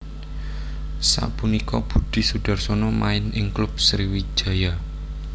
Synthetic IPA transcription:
sa̰punikɔb̥ṳd̥i̤sud̥a̤rsɔnɔmaɪnɪŋklʊb̥̚sɾiwi̥ʒ̥a̤ja

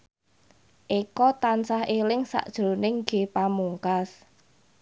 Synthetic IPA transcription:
ʔikɔt̪ansahelɪŋsa̰ʔd̥ʒ̥ɾonɪŋɡ̥e̤pamuŋkas

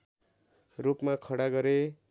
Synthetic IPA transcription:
rupmakʰʌɽaɡʌɾe

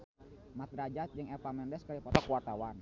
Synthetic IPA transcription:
mat̪̚ɾad͡ʒat̪̚d͡ʒɨŋɛpamɛndɛskaɾipɔt̪ɔkuwart̪awan

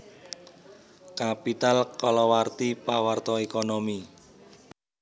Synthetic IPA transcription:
kapit̪alkɔlɔwart̪ipawart̪ɔekɔnɔmi

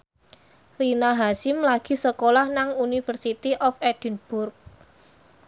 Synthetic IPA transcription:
rinaɦaʃɪmlaɡ̥i̤səkolahnaŋunifərsit̪iʔɔfɛd̥ə̤nb̥ʊrk̚

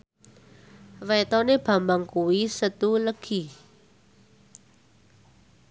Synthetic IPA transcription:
wɛt̪ɔneb̥a̤mbaŋkuwisət̪uləɡ̥i̤

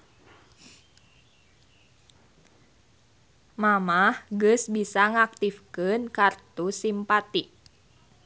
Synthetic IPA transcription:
mamahɡəsbisaŋak̚t̪ifkənkart̪usimpat̪iʔ

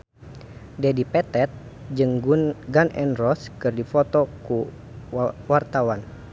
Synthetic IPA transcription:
dɛdipɛt̪ɛt̪̚ | d͡ʒɨŋɡunɡanɛ̰nrɔskɨrdifɔt̪ɔku | wart̪awan

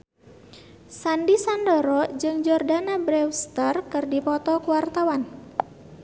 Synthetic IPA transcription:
sandisandɔɾɔd͡ʒɨŋd͡ʒɔrdanabɾɛwst̪ərkɨrdipɔt̪ɔkuwart̪awan

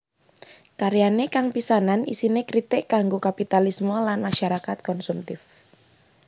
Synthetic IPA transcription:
kaɾjanekaŋpisananisinekɾit̪ɪʔɡ̥aŋɡokapit̪alismolanmaʃaɾakat̪̚kɔnsumt̪ɪf

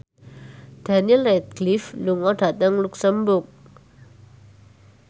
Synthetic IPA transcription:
d̪̥a̤niəlɛt̪̚ɡ̥lifluŋɔɖ̥ä̤t̪əŋluksəmbʊk̚

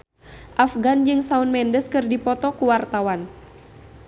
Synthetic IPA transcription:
ʔafɡand͡ʒɨŋsaunmɛndəskɨrdipɔt̪ɔkuwart̪awan

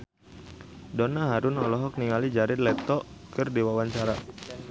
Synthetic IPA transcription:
dɔnaɦaɾʊnɔlɔɦɔk̚niŋalid͡ʒaɾɪt̪lɛt̪ɔʔkɨrdiwawaɲt͡ʃaɾa

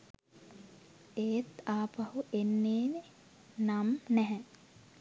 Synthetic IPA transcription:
eːt̪aːpɐhuʔenːeːne | namnɛɦɛ

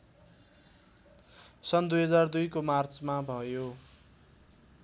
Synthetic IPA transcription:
sʌnd̪ujɦʌd͡zard̪ujkomart͡smabʱʌjo

